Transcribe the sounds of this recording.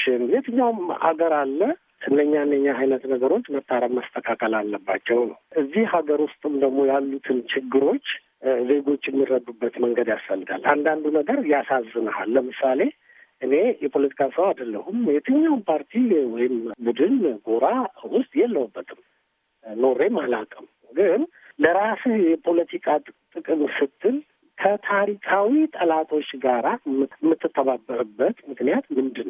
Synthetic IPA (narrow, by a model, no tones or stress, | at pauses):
ʃɪnjɛt̪ʰəɲːawma̰ɡəɾalːə | ɨnːəɲːaɨnːəɲːaɦajnət̪nəɡəɾo̞t͡ʃːmət̪ʰːaɾəmmːəst̪ʰəkʰakʼəlalːəbːat͡ʃːɛwnəwʔɨzːihhaɡəɾwʊst̪ʼɨmd̪əɡmo̞jalːut̪ʰɨnt͡ʃʰɪɡːɨɾo̞t͡ʃː | ze̞ɡo̞t͡ʃːjɛmːirəd̪ubːət̪məŋɡəd̪jasfəlːɨɡa̰lːa̰nd̪and̪unəɡəɾjasazːɨnəhalːəmɨsale̞ | ʔɨne̞jɛpʰo̞lət̪ʰi̥kʰasəwad̪əlːəhumjɛt̪ʰəɲːawnpʰaɾt̪ʰiwɔjɪmbud̪ɨnɡo̞ɾawʊst̪ʼjɛlːəwubːət̪ʰɨm | no̞ɾe̞malakʼəm | ɡɨn | ləɾasjɛpʰo̞lət̪ʰikʼat̪ʼɨkʼɨnsɨt̪ʰːɨl | kʰət̪ʰaɾikʰawit̪ʼəlat̪ʰo̞t͡ʃːɡaɾamːɨt̪ːɨt̪ʰːəβabːəɾɨbːət̪mɨknijat̪mɨnd̪ɨnːəw